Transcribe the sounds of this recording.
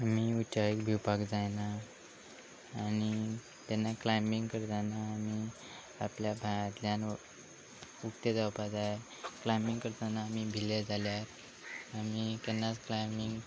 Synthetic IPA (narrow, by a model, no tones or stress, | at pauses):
amiut͡ɕaikbʱiwpakd͡zajna | ñi | t̪ɛnːaklajmiŋɡkəɾt̪anaːmi | apljabʱajãt̪ljãn | ukʈ̪ed͡zawpad͡zaje | klajmbiŋɡkəɾt̪anaːmibʱiled͡zaljaɾ | amikɛnːat͡sklajmiŋɡ